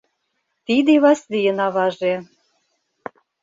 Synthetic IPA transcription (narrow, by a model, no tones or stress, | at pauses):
t̪id̪eβɑslijə̆nɑβɑʒe